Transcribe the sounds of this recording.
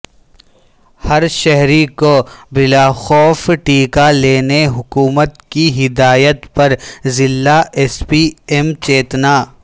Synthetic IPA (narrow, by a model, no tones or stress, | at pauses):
hɐɾʃɛɦɾikobɪlaːxɔːfʈiːkaleːneɦʊkuːmət̪kiɦɪd̪aːjət̪pɐɾzɪlːaeːspiːemt͡ʃeːt̪naː